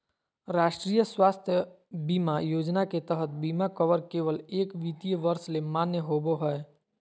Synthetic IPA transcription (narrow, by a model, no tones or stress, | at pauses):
ɾaːʃʈɾiːjəswaːst̪ʰjə | biːmajoːd͡ʒnaket̪əɦət̪̚biːmakəʋəɾkeːʋəleːkʋit̪ijəʋəɾslemaːnjəɦoːboɦɛe